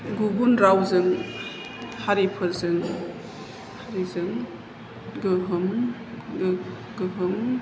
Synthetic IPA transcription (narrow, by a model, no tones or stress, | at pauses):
ɡuɡunɾawzɯŋ | haɾipʰɯɾzɯŋ | haɾizɯŋ | ɡɯɦɯm | ɡ | ɡɯɦɯm